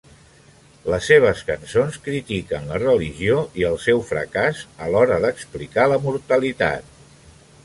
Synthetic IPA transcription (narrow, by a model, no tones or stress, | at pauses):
ləsːeβ̞əskənsonskɾit̪ikənlərəliʒioiəlˠsɛwfɾə̰kazəlɔɾəðəksplikaləmuɾt̪əlit̪a̰t̪̚